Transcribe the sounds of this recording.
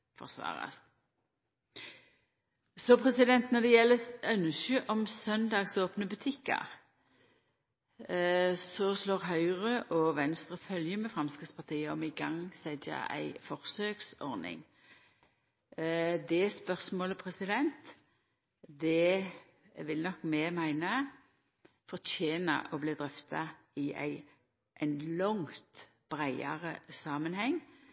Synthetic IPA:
fɔ̰ʁsʋɑ̰ːʁɑ̰st̪ | sɔpʰʁɛsɪd̪ɛnt̪nɔd̪ɛjɛlːəœnəsəʔɔmsœnd̪ɑːɡsoːpnəbʉt̪ʰɪkːə̰ʁ | sɔsloːʁɦɑʏʁəʔɔʋɛnst̪ʁəfœljəmɛfɾɑmskɪt̪spʰɑʁt̪ʰiːəɔmɪɡɑŋsɛd̪ɑ̰æ̰ɪfɔʁsøːksɔʁnɪ̰ŋ | d̪ɛspœʁsmoːləpʰʁɛsɪd̪ɛnt̪ | d̪ɛ | ʋɪlnɔkːmɛmæɪnə | fɔʁt̪ʰeːnə̰ʔɔbliːd̪ʁœft̪ʰɑ | ɪæ̰ɪ | ʔɛɪnlɔŋt̪ | b̥ʁæɪɑ̰ʁəsɑːmənhɛŋː

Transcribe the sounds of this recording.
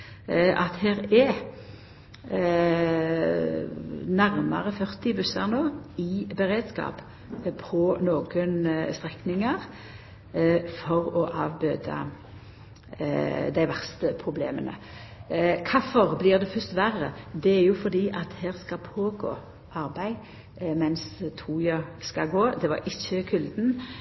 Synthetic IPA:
ʔɑt̪heːʁɛ | næʁmɑ̰ʁəfœʁt̪ɪbʉsɑ̰ʁnoːɪbəʁeːd̪skɑ̰ːp | pʰɔnoːɡənst̪ʁɛknɪŋəʁ | fɔʁɔʔɑ̰ːʋbøːd̪ɑ̰ | d̪æɪʋæʁst̪əpʰʁʊblḛːmənə̰ | kʰɑfɔʁblɪːʁd̪ɛfœst̪ʋæʁəd̪ɛæɾjʊfɔʁd̪iːʔɑt̪heːʁskɑpʰoːɡo̰ː | ʔɑʁbæɪ | mɛnst̪ʰuːjɑskɑɡoːd̪ɛʋɑ̰ɾɪçːəkʰʉld̪n̩

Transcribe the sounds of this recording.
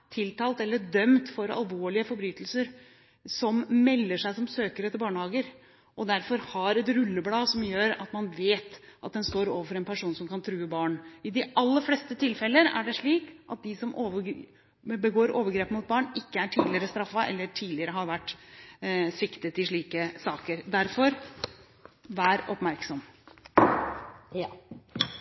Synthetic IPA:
t̪ʰɪlt̪ʰɑːlt̪ɛlːəd̪œmt̪fɔɾɑ̰lʋoːɭɪəfɔɾbɾyːt̪əlsəɾ | sɔmmɛlːəʂæɪsɔmsøːkəɾɛt̪əbɑːɳhɑːɡəɾ | ʔɔd̪æɾfɔɾhɑɾɛt̪ɾʉlːəblɑːsɔmjøːɾɑ̰t̪mɑnʋeːt̪ʔɑt̪̚d̪ɛnst̪oːɾoːʋəfɔɾɛnpʰæʂuːnsɔmkɑnt̪ʰɾʉːəbɑːɳɪd̪ɪʔɑlːəɾflɛst̪ət̪ʰɪlfɛlːəɾæ̰ɖɛʂɭiːkʔɑ̰t̪̚d̪ɪsɔmʔoːʋə | bəɡoːɾoːʋəɾɡɾeːpəmʊt̪̚bɑːɳɪkːəæʈʰiːd̪lɪəɾəst̪ɾɑfːɑʔɛ̰lːəʈʰiːd̪lɪəɾəɦɑɾʋæʈː | sɪkt̪ət̪ɪʂɭiːkəsɑːkəɾd̪æɾfɔɾ | ʋæːɾɔpmæɾksɔm

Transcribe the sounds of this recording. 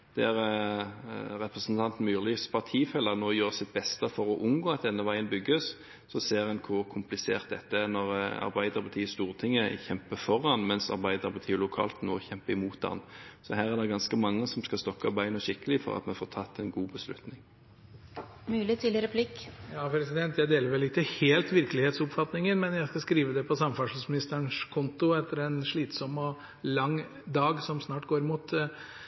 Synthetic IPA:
d̪̥ɛæɾ | ɾɛpɾəsənt̪ʰɑnt̪n̩myːʁlɪspʰɑʁt̪ʰiːfɛlənoːjøːɾsɪt̪̚bɛst̪əfɔɾɔʔʊnɡoːɑt̪̚d̪ɛnːəʋæɪənbʏɡːəs | sɔseːʁɛnkʰʊkʰʊmplɪseːʁt̪̚d̪ɛt̪ːənɔɾɑ̰ɾbæɪd̪əɾpʰɑt̪iːəst̪uːʁt̪ʰɪŋːəçɛmpəfɔɾɑnmɛnsɑ̰ɾbæɪd̪əɾbət̪ʰyːlʊkʰɑ̰ːlt̪no̰ːçɛmpəɪmuːt̪̚ɑ̰nsɔhæːɾæd̪ɛɡɑnskəmɑŋːəsɔmskɑst̪ɔkːɑbæɪnɔɕɪkːəlɪfɔ̰ɾɑ̰t̪mɛnfoːt̪ʰɑt̪ːɛnɡuːbəslʉ̰t̪nɪŋ | mʉːlɪt̪ʰiːlɪɾəpʰlɪkːjɑːpʰɾɛsɪd̪ɛnt̪jæɪd̪eːləɾʋɛlɪt̪ːəheːlt̪ʋɪɾkəlɪheːt̪sʊpfɑt̪nɪŋənmɛnjæɪskɑskɾiːʋəd̪ɛpʰɔsɑməfɑʂɑsmɪnɪst̪əɳʂkʰʊnt̪ʊɛt̪ːəɾɛnʂɭiːt̪sɔmːɔ | lɑŋ | d̪ɑːɡsɔmsnɑːʈɡoːɾɪmuːt̪

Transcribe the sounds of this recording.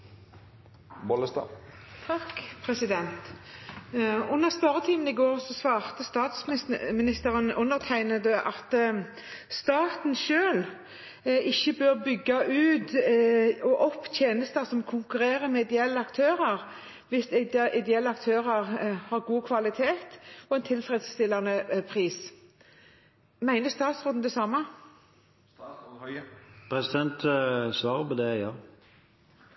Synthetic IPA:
bɔləst̪ɑ̰ | t̪ʰɑkpʰʁɛsɪd̪ɛnt̪ | ʉnːəʁsp̪øʁət̪ʰiːmənɪɡoːʁsɔsʋɑːʁt̪əst̪ɑːt̪smɪnɪst̪əʁənʉnːəʁt̪ʰæɪnəd̪ɛʔɑt̪ | st̪ɑːt̪nʃøːl | ɪçːəbøʁbʏɡːɑʔʉːt̪ | ɔʔɔpːt̪ʰjeːnəst̪ɑsɔmkʰʊŋkʉɾeːɾəɾmɛɪd̪ɛɛlːəɑkt̪ʰøːɾəɾ | ʋɪsɪd̪ɛɛlːəɑkt̪ʰøːɾəɾhɑːɾɡuːkʰʋɑlɪt̪ʰeːt̪ɔɛnt̪ʰɪlfɾɛd̪st̪ɪlːɑnəpʰʁiːs | mæɪnəst̪ɑːt̪sʁoːd̪n̩d̪ɛsɑmɑ | pʰɾɛsɪd̪ɛnt̪sʋɑːʁəpɔd̪ɛjɑː

